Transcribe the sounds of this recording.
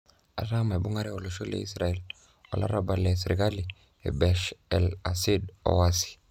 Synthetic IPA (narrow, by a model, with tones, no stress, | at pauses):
a̰˨ɾa˦ma˨e˨bu˦ŋa˦ɾe˦o˨lo˨ʃo˦lḛ˨i˦sɾa˨ɛ˦l | ɔ̰˨lʔa̰˦ɾa˦ba˨le˨s̬ɾi˨ka˦li˨ | ḛ˨bɛ˨ʃɛ˨la˨si˦dɔ̰˨wa˦si̥˨